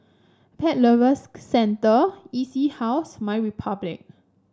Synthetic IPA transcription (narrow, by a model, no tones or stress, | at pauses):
pʰɛt̚ləvəsːɛ̃ntəisihawsmajɹipʰablɪ̰k̚